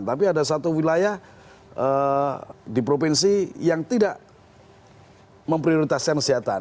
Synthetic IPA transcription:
nt̪apiadasat̪uwilajah | ə | dipɾopinsijaŋt̪idaʔ | məmpɾioɾit̪askankəsiɦat̪a̰n

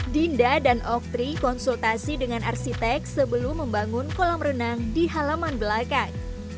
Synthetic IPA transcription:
dindadanʔɔk̚t̪ɾikɔnsult̪asidəŋanarsit̪ɛk̚səbəlʊmːəmbaŋʊnkolamrənaŋdiɦalamanbəlakak̚

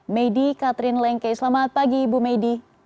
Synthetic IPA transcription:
mejdikat̪ɾɪnlɛŋkɛjslamat̪̚paɡibumejdi

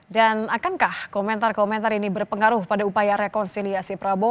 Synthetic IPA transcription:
danakankahkomɛnt̪arkɔmɛnt̪arinibərpəŋaɾʊhpadaupajaɾekɔnsiliasipɾabo

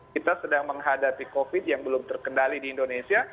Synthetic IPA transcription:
it̪asədaŋməŋɦadapikofɪt̪̚jaŋbəlʊmt̪ərkəndalidiːndonesia

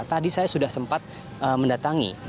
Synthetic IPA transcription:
t̪adisajasudahsəmpat̪̚ | əməndat̪aŋḭ

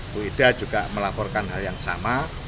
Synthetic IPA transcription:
uid̥ad͡ʒuɡaməlapɔrkanɦaljaŋsa̰ma

